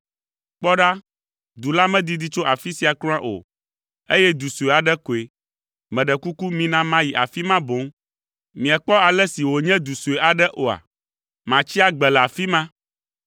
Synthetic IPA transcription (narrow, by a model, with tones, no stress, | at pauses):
k͡pɔ˦ɖa˦ | d̪u˨la˦mɛ̃˦d̪i˦d̪i˦t͡ʃo˦ʔa˨fi˦si˦a˨klɔ̃˦ã˦ʔo̰˨ | e˦jɛ˦d̪u˨su˨e˨a˨ɖɛ˦ko˨e˨ | mɛ̃˨ɖɛ˨ku˦ku˦mĩ˦nã˦mã˦ji˨ʔa̰˨fi˦mã˦bo˨˦ŋ | mĩ˨ɛ˨k͡pɔ˦a˨lɛ˦si˨wo˨ɲɛ̃˦d̪u˨su˨e˨ʔa˨ɖɛ˦ʔo˨a̰˨ | mã˨t͡ɕi˦a˦ɡ͡bɛ˨la˨fi˦mã˦